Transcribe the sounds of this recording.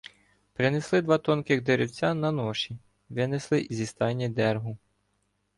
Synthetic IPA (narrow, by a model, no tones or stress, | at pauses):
pɾɪneslˠɪd̪ʋɑt̪ɔnkɪɣd̪eɾʲɪwt͡sʲanɐnɔʃi | ʋɪneslˠɪʔzʲist̪ɑnʲːid̪ɛrɦʊ